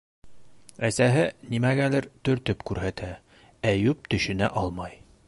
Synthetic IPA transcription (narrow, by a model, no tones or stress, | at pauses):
æsæɦɘnimæɡælɘɾt̪ɵ̆ɾt̪ɵpkʉɾɦæt̪ʰæ | æjʉp̚t̪ɵ̆ɕɘ̆næʔɒlˠmɑj